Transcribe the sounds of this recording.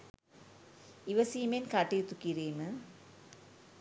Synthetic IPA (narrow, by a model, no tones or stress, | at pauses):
iʋɐsiːmenkɐʈːijt̪ːukːiɾeːmɨ